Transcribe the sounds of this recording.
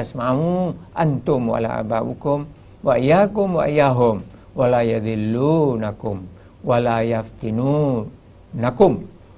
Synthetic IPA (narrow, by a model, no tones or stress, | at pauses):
asmamuʔant̪ʊmwa̰la̰ʔa̰babukʊm | waijakʊmwa̰ʔijaɦʊm | walajaðilːunakʊm | walajaft̪inu | nakʊm